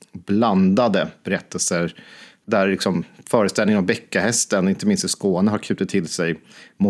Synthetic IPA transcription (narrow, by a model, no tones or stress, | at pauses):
bland̪ad̪əb̥ɛɾɛt̪ʰːəlsəɾ | d̪æɾlɪksɔmfœːɾəst̪ɛlɪəavbɛkːahɛst̪ənɪnt̪əmɪnst̪ɪskoːnəɦaɾkʰʉ̟ːt̪ət̪ʰːɪlsɛjmʊ